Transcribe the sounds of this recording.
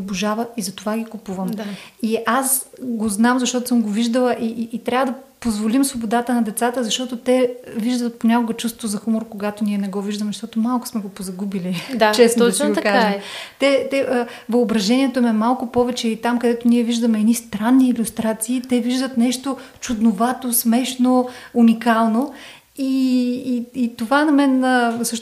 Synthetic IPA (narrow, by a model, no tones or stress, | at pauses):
boʒavəizɐt̪ovaɡʲikupuvəmd̪aiasɡoznamzɐʃt̪ɔt̪ʊ̥səmɡoviʒd̪əlˠɐʔiːt̪ɾʲavəd̪ɐpozvolimsvobod̪at̪ənɐd̪ɛt̪sat̪əzɐʃt̪ɔt̪ot̪ɛviʒd̪ət̪̚ponʲakoɡət͡ʃust̪vozɐxumoɾkoɡat̪oniɛnɛɡɔviʒd̪əmzɐʃt̪ɔt̪omalˠkʊ̥smɛɡopozɐɡubilid̪at͡ʃɛst͡ʃ̪iɡokaaʒəmt̪ɛt̪ɛvɐobɾɐʒɛniɛt̪omɛmalˠkʊpɔvɛt͡ʃɛit̪amkɐd̪ɛt̪oniɛviʒd̪əmɛːd̪nist̪ɾanːiːlʲust̪ɾat̪siːt̪ɛviʒd̪ət̪nɛʃt̪ot͡ʃud̪novat̪osmɛʃnounʲikalˠno | iː | t̪ovanɐmɛnəsɤʃt̪